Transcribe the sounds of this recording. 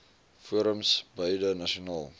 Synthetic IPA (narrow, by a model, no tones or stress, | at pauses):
fuəɾəmsbœjdənɐʃionɑːlˠ